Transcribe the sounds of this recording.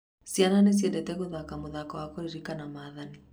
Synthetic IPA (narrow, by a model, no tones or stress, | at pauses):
sjananes̬jɛndɛtɛɣoðakamoðakawakoɾiɾikanamaðani